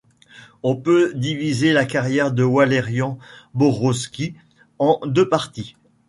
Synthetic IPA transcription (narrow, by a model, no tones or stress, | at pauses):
ɔ̃pød̪ivizelakaʁjɛʁd̪əwaleʁjɑ̃bɔʁɔskʲi | ɑ̃d̪øpaʁt̪i